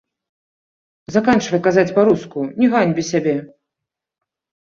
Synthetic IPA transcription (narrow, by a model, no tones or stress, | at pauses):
zakant͡ʂvɐjkazad͡zʲpaɾuskunʲɛɣanʲbʲisʲabʲɛ